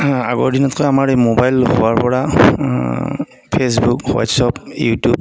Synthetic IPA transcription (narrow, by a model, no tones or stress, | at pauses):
a̰ɡɔɹdinɔtkɔjamaɹejmobajlɦʊwaɹpɔɹa | pʰes̬bukha̰tsɔpjṵtub